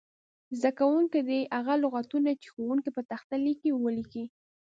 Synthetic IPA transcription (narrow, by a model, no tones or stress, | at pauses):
zd̪akawuŋked̪eʔaɣalʊɣat̪unat͡ʃe̥xowuŋkipət̪axt̪alikiwəliki